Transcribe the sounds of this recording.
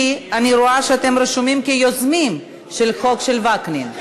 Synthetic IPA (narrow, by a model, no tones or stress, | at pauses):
aniɾoaʃeat̪e̞mɾeʃumimkejozmim | ʃelxo̞kʃelvaknin